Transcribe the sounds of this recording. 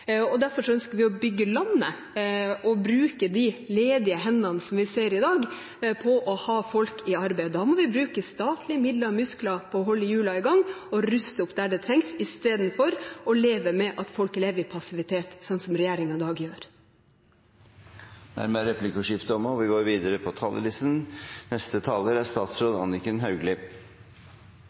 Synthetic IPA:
ɔd̪æɾfɔʂɔœnskəɾʋɪɔbʏɡːəlɑnːə | ɔbɾʉːkəd̪ɪleːd̪ɪəɦɛnːɑnəsɔmʋɪseːɾɪd̪ɑːɡ | pʰɔʔɔhɑːfɔlkɪɑɾbæɪd̪ɑːmɔʋɪbɾʉːkəst̪ɑːt̪ʰlɪmɪd̪ləɾmʉsklɑpʰɔːɦɔlːəjʉːlɑɪɡɑŋːɔɾʉst̪əʊpd̪æɖɛt̪ʰɾɛŋsɪst̪eːd̪n̩fɔɾɔleːʋəmɛʔɑt̪fɔlkleːʋəɾɪpʰɑsɪʋɪt̪ʰeːt̪sɔnːsɔmɾɛjæːɾɪŋɑd̪ɑːɡjøːɾ | næ̰ɾmɛɾɛpʰlɪkɔʂɪft̪əɔmɔʋɪɡoːɾʋiːd̪əɾəpʰɔt̪ʰɑːlʔə̰lɪst̪nnɛst̪ət̪ʰɑːləɾæʂt̪ɑːt̪sɾoːd̪ɑ̰nɪkənɦɑʉɡlɪ

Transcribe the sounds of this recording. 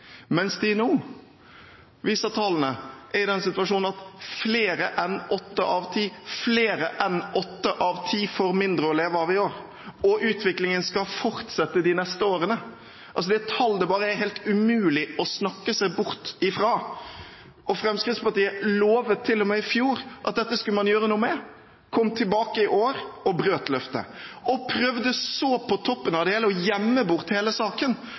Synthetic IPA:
mɛnsd̪ɪnuː | ʋiːsɑt̪ʰɑːln̩əʔæɾɪd̪ɛnsɪt̪ʉɑʂuːnn̩ɑt̪fleːɾəʔɛnʔɔt̪ːəʔɑʋt̪ʰiːfleːɾəʔɛnɔt̪ːəʔɑʋt̪ʰiːfɔɾmɪnd̪ɾəɔleːʋəɑʋɪoːɾ | ɔʔʉːt̪ʰʋɪklɪŋənskɑfɔɾt̪sɛt̪ːəd̪ɪnɛst̪əoːɾənə | ʔɑlsɔd̪ɛt̪ʰɑld̪ɛbɑːɾəæɦɛɪlt̪ʉmʉːlɪɔsnɑkːəsæɪbʊɾt̪ɪfɾɑː | ɔfɾɛmskɾɪt̪spɑʈ̪iːəloːʋət̪ʰːɪlːɔmɛːɪfjuːɾʔɑt̪̚d̪ɛt̪ːəskʉləmɑnjøːɾənuːmɛ | kʰɔmːt̪ʰɪlbɑːkəɪʔoːɾɔbɾøːt̪lœft̪ə̰ɔpʰɾœʋd̪əsoːpʰɔt̪ʰɔpːənɑʋd̪ɛheːləɔjɛmːəbʊɾt̪heːləsɑːkən

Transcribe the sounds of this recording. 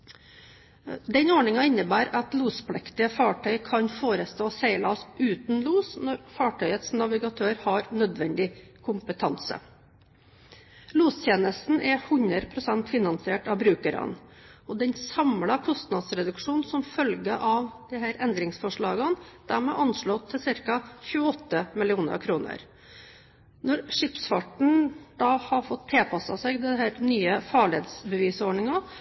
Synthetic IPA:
d̪ɛnoːɳɪŋɑɪnːəbæːɾɑt̪luːspʰlɛkt̪ɪəfɑːʈʰœʏkʰɑnfoːɾəst̪oːsæɪlɑɔsʔʉːt̪n̩luːsnɔɾfɑːʈʰœʏət̪snɑʋɪɡɑt̪ʰøːɾhɑɾnœd̪ʋɛnd̪ɪkʰʊmpət̪ʰɑnsə̰ | luːst̪ʰjeːnəst̪n̩ʔɛhʉɲəɾpʰɾʊsɛnt̪fɪnɑnsɪeːʈɑʋbɾʉːkəɾɑ̰nɔd̪ɛnsɑmlɑkʰɔst̪nɑd̪sɾɛd̪ʉkʂuːnsɔmfœlɡəʔɑʋd̪̥ɛɦæːɾɛnd̪ɾɪŋsfɔʂɭɑːɡənd̪̥æːɾmɛːʔɑnʂɭɔt̪ʰːɪlsɪɾkɑçʉːəɔt̪ːəmɪlɪuːnə̰ɾkʰɾuːnə̰ɾ | nɔɾʂɪpsfɑʈɳ̩d̪ɑːhɑfɔt̪ʰːeːlpʰɑsɑsɛɡd̪ɛɦæːɾnyːəfɑɭɪeːd̪sbəʋiːsoːɳɪŋɑ

